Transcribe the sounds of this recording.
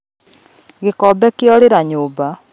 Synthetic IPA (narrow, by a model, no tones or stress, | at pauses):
ɣekɔbɛkeɔɾeɾaɲoːba